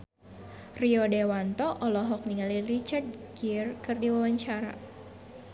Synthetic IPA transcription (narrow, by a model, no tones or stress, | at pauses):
riɔdewant̪ɔʔɔlɔɦɔk̚niŋalirit͡ʃardɡirkɨrdiwawaɲt͡ʃaɾa̰